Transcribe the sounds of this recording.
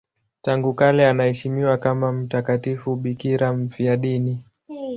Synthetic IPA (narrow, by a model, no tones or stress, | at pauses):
taŋɡukalɛanahɛʃimiwakamam̩takatifuɓikiɾam̩fiaɗini